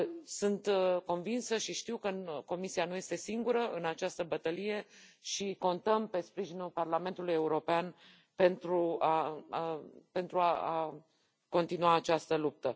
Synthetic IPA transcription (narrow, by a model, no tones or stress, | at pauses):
sunt̪ko̞nvinsəʃiʃt̪iwkəko̞misianuje̞st̪e̞siŋɡuɾəʔɨnat͡ʃast̪əbət̪əlije̞ʃiko̞nt̪əmpe̞spɾiʒinulparlame̞nt̪uluje̞uɾo̞pean | pe̞nt̪ɾua | pe̞nt̪ɾuaa | ko̞nt̪inuaːt͡ʃast̪əlup̚t̪ə